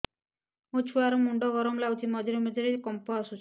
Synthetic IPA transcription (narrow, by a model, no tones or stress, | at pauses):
ot͡ʃʰuaɾɔmuɳɖɔɡɔɾɔmlawt͡ʃʰimɔd͡ʒɔɾemɔd͡ʒɔɾekɔmpɔasut͡ʃʰ